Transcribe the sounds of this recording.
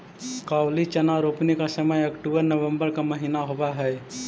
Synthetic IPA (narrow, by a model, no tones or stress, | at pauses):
kawlit͡ʃənaɾopnikasəməjəkʈubəɾnəʋəmbəɾkaməɦinaɦobaɦɛj